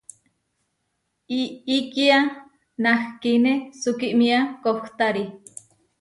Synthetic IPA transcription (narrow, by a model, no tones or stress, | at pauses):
iːkia | nahkinesukiʔmiakoht̪aɾi